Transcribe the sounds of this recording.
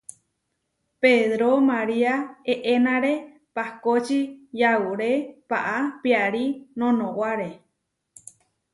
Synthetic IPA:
peðɾomaɾiaeʔenãɾe̞ | pakot͡ʃijauɾepaʔapiaɾinõnõwaɾe

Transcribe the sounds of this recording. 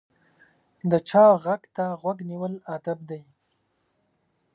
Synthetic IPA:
d̪ət͡ʃɑɣaɡt̪aɣwaɡniwəlad̪ab̚d̪aj

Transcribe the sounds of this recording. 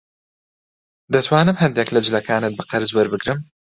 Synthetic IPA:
d̪ɐt̪ʰwaːnɨmɦɐnd̪eːklɐd͡ʒɪlɐkʰaːnɨt̪̚bɨqɐɾzwɐɾbɨɡɾɨm

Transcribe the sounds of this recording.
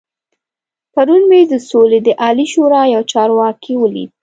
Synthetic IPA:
paɾunbed̪əsoled̪əʔɑliʃoɾɑjawt͡ʃɑɾwɑkʰiwəlḭd̪̚

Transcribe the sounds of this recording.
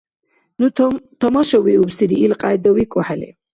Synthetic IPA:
nut̪ʰɔmɔʃɔwiubsiɾiːlqʼajd̪ɔwikʼuħɛlḭ

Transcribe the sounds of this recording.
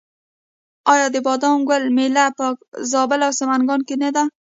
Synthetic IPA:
ɑjɑd̪əbɑd̪ɑnɡəlmelapɑkzɑbɪlawsamanɡɑnkenad̪a

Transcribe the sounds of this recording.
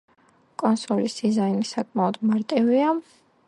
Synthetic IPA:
kʼɔnsɔlisd̪̥izainisakʼmaɔd̪maɾt̪ʼivia

